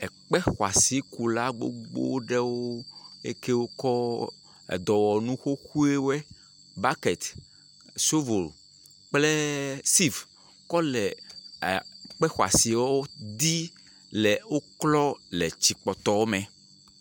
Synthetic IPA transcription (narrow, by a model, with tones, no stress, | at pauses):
ɛ˨k͡pɛ˦xwa̰˨si˨ku˨la˦ɡ͡bo̰˦ɡ͡bo̰˦ɖe˦wo˦ḛ˦ke˦wo˦kɔ˦ | ɛ̰˨d̪ɔ˨wɔ˨nũ˦xo˦xu˦e˦wɛ˦ | ba˦kɛ˨t̪ | so˦vo˨l | k͡ple˦si˦˨v | kɔ˦lɛ˨ | k͡pɛ˦xwa̰˨si˨wɔ˦wo˦d̪i˦ | lɛ˨wo˦klɔ˦lɛ˨t͡ɕi˨k͡pɔ˨t̪ɔ˨wo˦mɛ̃˨